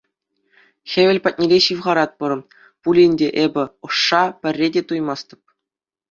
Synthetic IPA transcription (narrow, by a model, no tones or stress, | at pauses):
xʲeʋʲɘ̆lʲpɑt̚ʲnʲeɾʲeɕiʋʁɑɾɑt̪̚pɤ̆ɾɤ̆ | pulʲinʲdʲeʔebʲɘ̆ɤ̆ʂːɑpʲɘ̆rʲːedʲet̪ujmɑst̪ɤ̆p̚